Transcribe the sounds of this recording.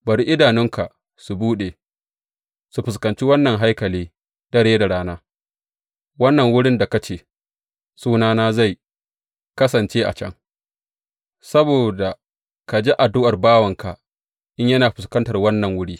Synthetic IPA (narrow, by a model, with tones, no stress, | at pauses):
bɐ˨ɾi˦ʔɪ˦daː˨nɪ˦ŋkʰa˨ʔ | su˨buː˦ɗe˨ | su˨ɸɪ˨s̬kɐ˨nt͡ʃi˦wɐ˦nːɐ˨ŋɦa˦jkɐ˨liː˦ | d̥ɐ˦ɽeː˦da˨ɽaː˦naː˦ | wɐ˦nːɐ˨ŋwʊ˦ɽɪ˦nda˨kɐ˦t͡ʃeː˨ | suː˦naː˦naː˦za˦˨j | kɐ˦sɐ˨nt͡ʃeː˦ʔa̰˨t͡ʃɐ̰˦ŋ | sɐ˦boː˨da˨ | ka˨d͡ʒi˦ʔa˨dʊ˦ʔɐ˨rbaː˦wɐ˨ŋka˨ | ʔɪ˦ɲjɐ˦naː˨ɸɪ˨skɐ˦ntɐ˨rwɐ˦nːɐ˨ŋwʊ˦ɽiː˦